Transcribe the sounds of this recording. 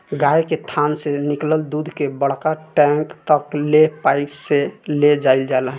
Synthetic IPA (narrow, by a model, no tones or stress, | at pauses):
ɡajket̪ʰansenikləld̪ud̪ʱkebəɽ̤kaʈɛ̃ŋkt̪əklepaɪpseled͡ʒaild͡ʒalə